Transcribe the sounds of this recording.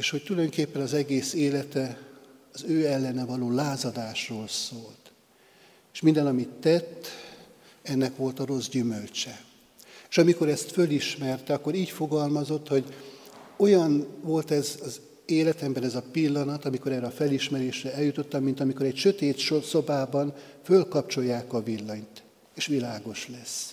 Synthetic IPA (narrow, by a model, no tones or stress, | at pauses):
eːʃho̞c̚t̪ulɒjoŋkeːpːɛnɒzɛɡeːseːlɛt̪ɛɒzøːɛlːɛnɛvɒloːlaːzɒd̪aːʃroːlsoːlt̪ | eːʃmind̪ɛnɒmit̪ːɛt̪ː | ɛnːɛkʋo̞lt̪ɒɾo̞zɟymølt͡ʃɛ | eʃɒmiko̞ɾɛst̪føliʃmɛrt̪ɛɒkːo̞ɾiːcfo̞ɡɒlmɒzo̞t̪ho̞ɟ | o̞jɒnvo̞lt̪ɛzɒz | eːlɛt̪ɛmbɛnɛzɒpilːɒnɒt̪ɒmiko̞ɾɛːɾɛɒfɛliʃmɛɾeːʃrɛɛljut̪o̞t̪ːɒmːint̪ɒmiko̞ɾɛcʃøt̪eːt̪ʃoso̞baːbɒn | følkɒp̚t͡ʃo̞jːaːkɒvilːɒɲt̪ | eːʃʋilaːɡo̞ʃlɛs